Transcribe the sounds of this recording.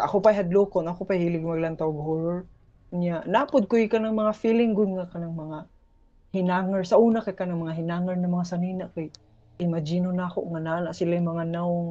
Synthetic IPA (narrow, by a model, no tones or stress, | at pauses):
ʔa̰kʊpajɦad̪lukʊnakʊpajhiːlɪɡmaɡlant̪awɡhoɾoɹ | ʊɲjaʔnaːpʊd̪̚kʊjikanaŋmɐŋafilɪŋɡʊd̪̚ŋakanaŋmɐŋa | hɪnaːŋaɹsaʔuːnakajkanaŋmaŋaɦɪnaːŋaɹnamɐŋasaninaʔkaj | ʔɪmad͡ʒinʊnaːkʊ̰ʔŋananaʔsɪlajmaŋanaʊŋ